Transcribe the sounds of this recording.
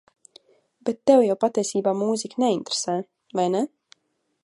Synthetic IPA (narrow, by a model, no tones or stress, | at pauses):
b̥et̪ːɛwjawpat̪ʲɛsʲiːbaːmuːzʲiknɛint̪ɾe̥sɛː | vajnɛ